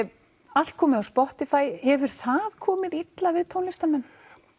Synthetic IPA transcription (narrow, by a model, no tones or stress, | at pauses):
al̥t̪̚kʰɔːmɪðawspɔht̪ɪfaːjhɛvʏɾ̥θaðkʰɔːmɪðit̪lavɪðt̪ʰownlɪst̪amɛnː